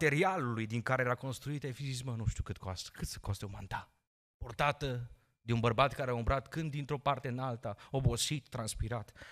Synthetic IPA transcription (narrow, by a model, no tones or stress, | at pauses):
t̪e̞ɾialulujd̪iŋkaɾe̞jeɾako̞nst̪ɾuit̪efisismənuʃt̪jukɨt̪koast̪kɨt̪sə̥kost̪eumant̪a | port̪at̪ə | d̪eunbərbat̪kaɾeaumbɾat̪kɨnd̪ːint̪ɾo̞part̪e̞ɨnalt̪ao̞bo̞sit̪ːɾanspiɾat̪